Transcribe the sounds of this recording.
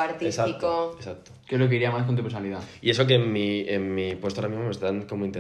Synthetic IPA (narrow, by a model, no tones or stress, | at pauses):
aɾt̪iesaikoesak̚t̪okezlo̞k̬eiɾiamask̬ont̪upesonaliðaie̞sok̬emmiemːipwost̪oaɾamizmome̞st̪aŋko̞moĩnt̪e